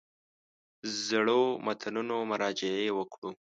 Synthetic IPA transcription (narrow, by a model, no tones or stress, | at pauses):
zɽomat̪ʰanunomʊɾɑd͡ʒɪewəkɽu